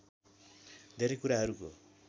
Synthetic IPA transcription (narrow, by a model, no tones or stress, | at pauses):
d̪ʱeɾekuɾaɦʌɾuko